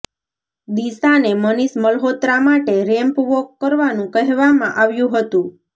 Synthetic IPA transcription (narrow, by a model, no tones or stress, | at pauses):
d̪isaneməniʃməlɦot̪ɾamaʈeɾɛmpʋokːəɾʋanũkəɦɛʋamãʔaʋjũɦət̪ũ